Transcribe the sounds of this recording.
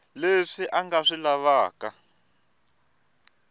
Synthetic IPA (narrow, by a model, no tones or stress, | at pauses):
leʂiʔaŋɡaʂilaβaːka